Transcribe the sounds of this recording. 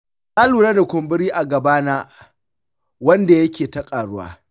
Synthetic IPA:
na˦luː˨ɾaː˦da˨kʷʊ˨mbɪ˦ɽiː˦ʔa˨ɡɐ˨baː˦naː˦ | wɐ˦nda˨jɐ˦kʲeː˨ta˦kʼaː˨ɽʊ˦wa̰ː˦

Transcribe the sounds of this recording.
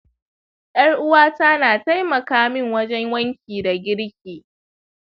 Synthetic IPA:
jʔɐ˦ɽʔʊ˦waː˦ta˦naː˨ta˦jmɐ˨kaː˦mɪ˦ŋwɐ˦d͡ʒɛ˦ŋwɐ˦ŋkʲiː˨da˨ɡʲɪ˦ɽkʲeː˨

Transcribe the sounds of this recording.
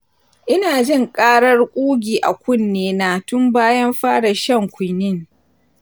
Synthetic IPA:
ʔɪ˦naː˨d͡ʒɪ˦˨ŋkʼaː˦ɽɐ˦rkʷʼuː˦ɡʲiː˨ʔa̰˨kʷʊ˦nːeː˦na˨tʊ˦mbaː˦jɐ˦mɸaː˦ɽa˨ʃɐ˦ŋkʷʊ˨jnɪ˦ŋ

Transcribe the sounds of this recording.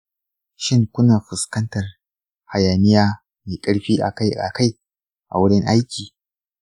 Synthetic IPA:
ʃɪ˦ŋkʷʊ˦naː˨ɸɪ˨skɐ˦ntɐ˨r | ha˨jaː˨nɪ˦jaː˦ | meː˨kʼɐ˦ɽɸiː˦ʔa̰˨ka˦˨ʔa̰˨ka˦j | ʔa̰˨wʊ˦ɽɪ˦ŋʔa˦jkʲiː˨

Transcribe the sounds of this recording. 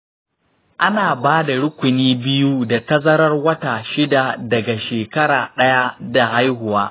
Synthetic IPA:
ʔa˦naː˨baː˦da˨ɽʊ˦kʷʊ˨niː˦bɪ˦ju˦da˨tɐ˦zɐ˦ɾɐ˦rwɐ˦taː˨ʃɪ˦da˨dɐ˨ɡa˨ʃeː˨kɐ˦ɽaː˨ɗɐ˦ja˦da˨ha˦jɦʊ˨waː˦

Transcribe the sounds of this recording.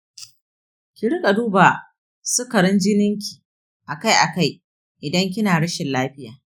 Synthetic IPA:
kʲɪ˨ɽɪ˦kʼa˨duː˦baː˨ | sʊ˦kɐ˨ɽɪ˦nd͡ʒɪ˦nɪ˦ŋkʲi̥˨ | ʔa˨ka˦jʔa˨ka˦˨j | ʔɪ˨dɐ˦ŋk̬ʲɪ˦naː˨ɽɐ˦ʃɪ˨nlaː˦ɸɪ˦jaː˨

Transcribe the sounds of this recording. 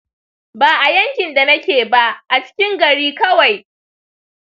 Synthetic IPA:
baː˨ʔa˨jɐ˦ŋkʲɪ˨nda˨nɐ˦kʲeː˨ba˦ʔʔa˨t͡ʃɪ̥˦kʲɪ˦ŋɡɐ˨ɽiː˦kɐ˦wa˨j

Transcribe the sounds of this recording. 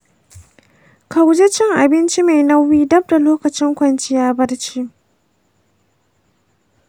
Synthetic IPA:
ka˨wd͡ʒe˦t͡ʃɪ˦ŋʔa˨bɪ˦nt͡ʃi˦ma˨jnɐ˦wːiː˦dɐ˦b̚da˨loː˦kɐ˨t͡ʃɪ˦ŋkʷɐ˨nt͡ʃɪ˦jaː˦bɐ˦da˨t͡ʃiː˦

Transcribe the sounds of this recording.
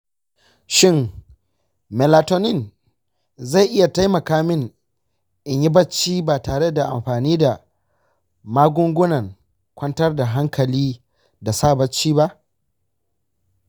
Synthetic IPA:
ʃɪ˦˨ŋ | mɛ˨laː˨to˦nɪ˦˨n | za˦˨jʔɪ˦ja˨ta˦jmɐ˨kaː˦mɪ˦˨ŋ | ʔɪ˨ɲji˦bɐ˦t͡ʃːiː˦baː˨taː˨ɽe˦da˨ʔa˨mɸaː˨niː˦da˨ | maː˦ɡʷʊ˦ŋɡʷʊ˦nɐ˨ŋ | kʷɐ˦ntɐ˦rda˨ɦa˦ŋkʰɐ˨liː˦ | da˨saː˦bɐ˦t͡ʃːiː˦ba˦ʔ

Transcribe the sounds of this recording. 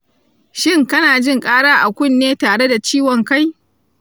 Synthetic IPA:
ʃɪ˦ŋkɐ˦naː˨d͡ʒɪ˦˨ŋkʼaː˦ɽaː˦ʔa˨kʷʊ˦˨nːeː˦taː˨ɽe˦da˨t͡ʃiː˦wɔ˨ŋka˦j

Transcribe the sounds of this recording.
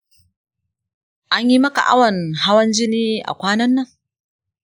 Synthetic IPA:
ʔa˦ɲji˦mɐ˦ka̰˨ʔa̰˦wɐ˨nha˦wɐ˦nd͡ʒɪ˦niː˦ʔa̰˨kʷaː˦nɐ˦nːa˦ŋ

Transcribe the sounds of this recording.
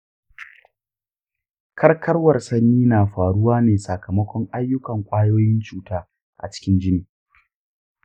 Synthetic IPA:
kʰɐ˦rkʰɐ˦rwɐ˨rsɐ˦nːiː˦naː˨ɸaː˨ɽʊ˦waː˦neː˨sɐ˨kʰɐ˨mɐ˦kʷɔ˦ŋʔa˦jːʊ˦kɐ˨ŋkʷʼaː˦joː˦jɪ˦nt͡ʃuː˨taː˦ | ʔa̰˨t͡ʃɪ̥˦kʲɪ˦nd͡ʒɪ˦niː˨

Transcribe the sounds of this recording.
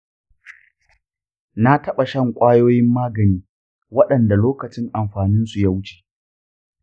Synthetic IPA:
na˦tɐ˦ɓa˨ʃɐ˦ŋkʷʼaː˦joː˦jɪ˦mːaː˦ɡɐ˨niː˦ | wɐ˦ɗɐ˨nda˨loː˦kɐ˨t͡ʃɪ˦ŋʔa˨mɸaː˨nɪ˦nsu˨ja˦wʊ˦t͡ʃe̥ː˨

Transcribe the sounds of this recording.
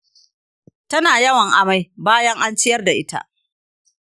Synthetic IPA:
tɐ˦naː˨jɐ˦wɐ˨ŋʔa˨ma˦jbaː˦jɐ˦ŋʔa˦nt͡ʃɪ˦jɐ˦rda˨ʔɪ˦ta̰˦ʔ

